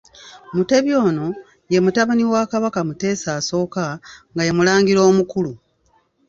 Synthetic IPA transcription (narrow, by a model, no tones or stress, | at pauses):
mute̞βjo̞ːno̞ | je̞mutaβaniwaːkaβakamute̞ːsaːso̞ːkaŋɡaje̞mulaːŋɡiɾo̞ːmukulu